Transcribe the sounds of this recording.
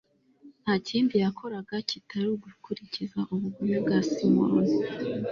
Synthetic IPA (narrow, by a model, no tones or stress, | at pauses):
n̥haːciːmbijakʰo̞ɾaɡacitʰaɾuɡukuɾicizaʔuβuɡumubɡasimo̰ɾni